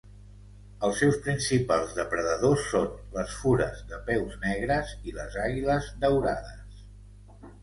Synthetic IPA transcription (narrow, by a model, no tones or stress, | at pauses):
əlˠsːɛwspɾinsipalˠzðəpɾəðəðosːonləsfuɾəzðəpɛwznɛɣ̞ɾəziləzaɣiləzd̪əwɾa̰ðəs